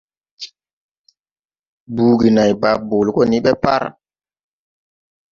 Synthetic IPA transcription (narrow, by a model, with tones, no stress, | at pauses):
bu˨˦ɡi˨na˨jba˨bo˨lkɔ˦ni˦ɓɛ˦pa̰˦ɾ